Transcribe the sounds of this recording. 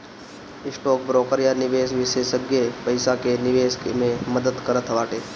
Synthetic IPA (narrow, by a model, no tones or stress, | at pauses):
ɪsʈoːk̚bɾoːkəɾjanɪʋeːʃʋɪʃeːʃəɡjepɐɪsakenɪʋeːskmẽməd̪əd̪kɐɾət̪ʰʋaːʈeː